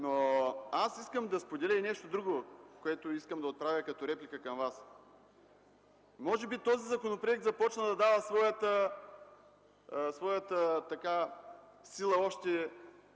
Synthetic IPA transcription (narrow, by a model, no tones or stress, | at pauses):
noasiskəmd̪ɐspod̪ɛlʲəinɛʃt̪od̪ɾuɡokoɛt̪oiskəmd̪ɐot̪̚pɾavʲəkɐt̪oɾɛplikəkɐmvas | mɔʒɛbit̪ɔzizɐkonopɾoɛk̚t̪zɐpɔt͡ʃnəd̪ɐd̪avəsvɔjət̪ə | svɔjət̪ət̪ɐka | silˠəɔʃt̪ɛ